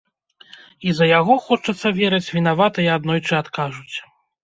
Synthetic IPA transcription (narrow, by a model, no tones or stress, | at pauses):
izɐjaɣɔxɔt͡ʂɐt̪sːɐvʲɛɾɐt͡sʲvʲin̪avat̪ɐiad̪nɔjt͡ʂɨat̪kaʐut͡sʲ